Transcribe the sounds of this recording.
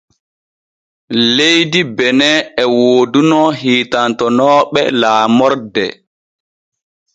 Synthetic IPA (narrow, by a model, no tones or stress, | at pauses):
lejdibɛnɛɛwoːdunɔɦiːtantɔnɔːɓɛlaːmɔɾdɛ